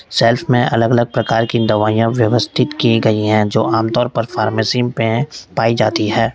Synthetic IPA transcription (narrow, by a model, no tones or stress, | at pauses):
sɛːlfmẽʔɐləɡɐləɡ̚pɾɐkaːɾkid̪ɐʋaːijãʋjɐʋəst̪ʰɪt̪kiɡɐiɦɛ̃d͡ʒo̰ːaːmt̪ɔːɾpɐɾfaːɾmeːsiːmpẽpaːid͡ʒaːt̪iɦɛː